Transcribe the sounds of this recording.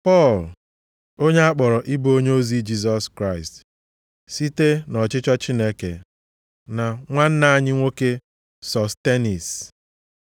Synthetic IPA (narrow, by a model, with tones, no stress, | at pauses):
pɔ˦˨l | o˦ɲe˦a˦k͡pɔ˨ɾɔ˨ʔi˦bo˦ɲe˦o˦zi˦d͡ʒi˦s̬ɔ˨skɾa˦ɪ˨st | si˦te˦nɔ˨t͡ʃɪ˦t͡ʃɔ˦t͡ʃi˦ne˦ke˨ | na˨ŋʷa˦n̩˦na˦a˦ɲɪ˦ŋʷo˦ke˦ | sɔ˨ste˦ni˨s